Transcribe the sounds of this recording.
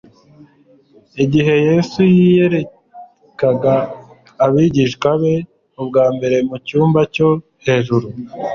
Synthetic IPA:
iɟiɦe̞je̞sujije̞ɾe̞ | kaɡaː | βiɟiʃkwaβe̞ | ub̚ɡaːmbe̞ɾe̞mucuːmbaco̞ | he̞ːʒuɾu

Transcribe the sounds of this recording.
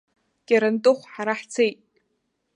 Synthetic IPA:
kʲʼaɾantʼɨχʷħaɾaħt͡sʰejtʼ

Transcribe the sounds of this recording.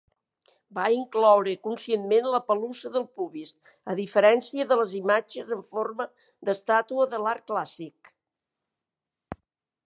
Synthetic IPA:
baiŋklɔwɾəkunsienmenləpəluzəðəlˠpuβis | əðifəɾɛnsiəðələzimad͡ʒəzəɱformə | d̪əst̪at̪uəðəlaɾklasik

